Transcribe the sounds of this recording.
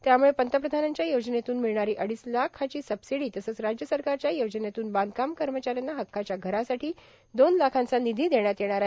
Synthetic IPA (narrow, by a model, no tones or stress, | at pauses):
t̪jamuɭepənt̪əpɾəd̪ʱanaɲt͡ɕjajod͡ʑənet̪uːnmiɭɳaɾiːʔəɽiːslakʰat͡ɕiːsəbsiɽiːt̪əsəːt͡sɾad͡ʑjəsəɾkaɾt͡ɕjajod͡ʑənet̪uːnband̪̚kamkəɾmət͡ɕaɾjanːaɦəkʰːat͡ɕjaɡʱəɾasaʈʰiː | d̪onlakʰãnt͡sanid̪ʱiːd̪eɳ̃jat̪jeɽ̃aɾa